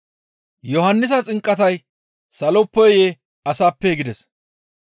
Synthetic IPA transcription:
jɔhɐnːɪs̬ɐt͡sʼɪŋkʼːɐt̪ɐj | sɐlɔpːɔjje | ɐsaːpːɛɡɪd̪ɛs

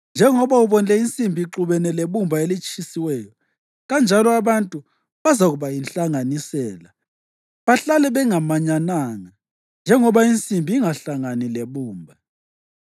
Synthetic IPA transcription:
nd͡ʒʱɛŋɔβauβɔnd͡ɮɛint͡sʼimbʱiːǁuβɛnɛleβumbʱaelit͡ʃʼisiwɛːjɔ | ɣand͡ʒʱalɔaβantʼu | βazaɣuβajinɬaŋanisɛːla | βaɬalɛβɛŋamaɲanaːŋa | nd͡ʒʱɛŋɔβaint͡sʼimbʱiːŋaɬaŋanileβuːmbʱa

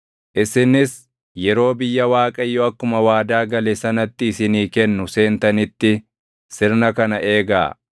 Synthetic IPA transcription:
ʔɪsɪnɪs | jɛɾo̞ːbɪjːɐwaːkʼɐjːɔɐkːʊmɐwaːd̪aːɡɐlɛsɐnɐt̪ːɪːsɪniːkɛnːʊse̞ːnt̪ɐnɪt̪ːɪ | sɪɾnɐkɐnɐʔe̞ːɡa̰ː

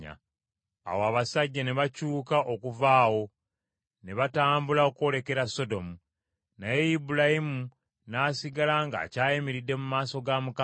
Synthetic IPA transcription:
a̰ | a̰woaβasaɟːaneβacuːkaʔokuvaːwo̞ | ne̞βataːmbulaokuo̞le̞ke̞ɾaso̞do̞mu | naje̞jibulahimu | naːsiɡalaŋɡa̰ːcaːjemiɾidːe̞mumaːso̞ɡamuka

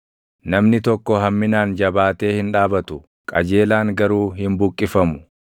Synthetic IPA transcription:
nɐmnɪt̪ɔkːɔɦɐmːɪnaːnd͡ʒɐbaːt̪e̞ːhɪnᶑaːbɐt̪ʊ | kʼɐ̰d͡ʒe̞ːlaːŋɡɐɾuːɦɪmbʊkʼːɪfɐmʊ̥

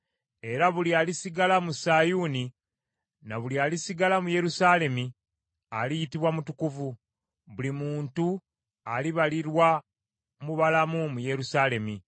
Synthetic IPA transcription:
e̞ɾaβulialisiɡalamusajuni | naβuliaːlisiɡalamuje̞ɾusaːle̞mi | alijitiβwamutukuvu | βulimuːntu | aliβaliɾwa | muβalamumuje̞ɾusaːle̞mi

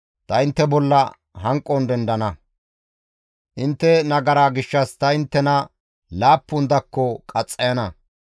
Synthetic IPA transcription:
t̪ɐɪnt̪ːɛbɔlːɐ | ɦɐŋkʼːɔnd̪ɛnd̪ɐnɐ | ʔɪnt̪ːɛnɐɡɐɾaːɡɪʃːɐst̪ɐɪnt̪ːɛnɐ | laːpːʊnd̪ɐkːɔkʼɐt͡sʼːɐjɐnɐ

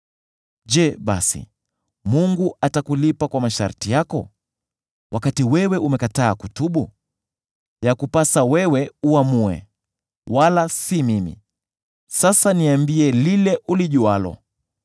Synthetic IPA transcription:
ʄɛɓa̰sḭ | muŋɡuatakulipakwamaʃa̰ɾtijakɔ̰ | wʔakatiwɛwɛʔumɛkataːkutuɓu | jakupasawɛwɛuamuɛ̰ | walasimimḭ | sasaniambiɛlilɛʔuliʄualɔ̰

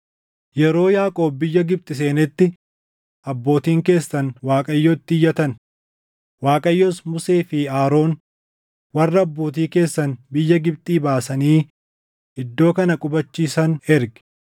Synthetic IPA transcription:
jɛɾo̞ːjaːkʼo̞ːbːɪjːɐɡɪb̚t̪ʼɪs̬e̞ːnɛt̪ːɪ | ʔɐbːo̞ːt̪iːŋke̞ːsːɐnwaːkʼɐjːoːt̪ːɪjːɐt̪ɐn | waːkʼɐjːosmʊseːfiːaːɾo̞ːn | wɐrːɐːbːo̞ːt̪̬iːke̞ːsːɐnbɪjːɐɡɪbt̪ʼiːbaːsɐniː | ɪd̪ːo̞ːkɐnɐkʼʊbɐt͡ʃːiːsɐnɛɾɡɪ̥

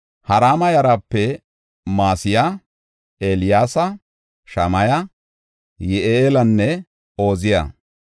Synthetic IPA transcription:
hɐɾaːmɐjɐɾapːɛ | maːsɪja | eːlɪjaːsɐ | ʃɐmɐjɐ | jɛʔeeːlɐnːɛ | o̞ːzɪjɐ̰

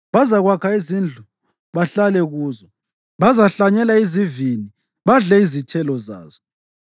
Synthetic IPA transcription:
βazaɣwakʰaizind͡ɮʱu | βaɬalɛɣuːzɔ | βazaɬaɲɛlaizivini | βaɮɛizitʰɛlɔza̰ːzɔ

